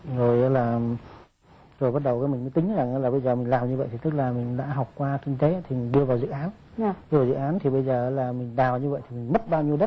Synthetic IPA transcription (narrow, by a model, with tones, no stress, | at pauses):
zo˨˩jʔaː˨˦laː˨˩ | zo˨˩jɓə˦˥t̚ɗə˨˩wkaː˨˦jmï̟˨˩məː˨˦jt̪ï˨˦ŋ̟za˨˩ŋʔaː˨˦laː˨˩ɓə˧jzəː˨˩mï˨˩ŋ̟laː˨˩mɲɨ˧və̰˧˨jt̪i˨˩t̪ɨ˦˥k̚laː˨˩mï˨˩ŋ̟ɗa̰ː˧˥ɦa˨˩wk͡p̚kwaː˧ki˧ŋ̟t̪e˨˦t̪ʰi˨˩mi˨˩ŋ̟ɗɨ˧əvaː˨˩wzɨ̰˧˨ʔaː˨˦n˨ | ɗɨ˧vaː˨˩zɨ̰˧˨ʔaː˨˦nt̪ʰi˨˩ɓə˧jzəː˨˩ʔa˨˦laː˨˩mï˨˩ŋ̟ɗaː˨˩wɲɨ˧və̰˧˨jt̪ʰi˨mi˨˩ŋ̟mə˦˥t̚ɓaː˧wɲi˧əwɗə˦˥t̚